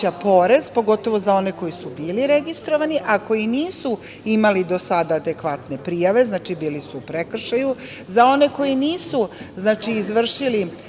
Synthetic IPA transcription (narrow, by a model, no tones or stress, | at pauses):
apo̞ɾe̞zpo̞ɡo̞t̪o̞ʋo̞zao̞ne̞ko̞jisubiːliɾeɡist̪ɾoʋaniʔako̞jiniːsu | imalid̪o̞sad̪aːd̪e̞kʋat̪ne̞pɾijaʋe̞znaːt͡ʃibiːlisuːpɾekr̩ʃaju | zao̞ne̞ko̞jiniːsuznaːt͡ʃiːzʋr̩ʃili